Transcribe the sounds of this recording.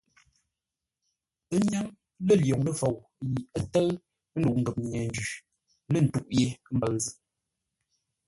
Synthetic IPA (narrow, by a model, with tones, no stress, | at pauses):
ə˦ɲa˦ŋ | lə˦˨ljo˨ŋnə˦fo˨w | ji˨ə˦tə˦ɰ | n̩˦du˨ʔŋ̩˨ɡə˨p̚ɲ˨ɲɛ˨n˦d͡ʒʉ˨ | lə˦˨n̩˨tu˦˨ʔje˨˦m̩˦bə˨ɣzə˦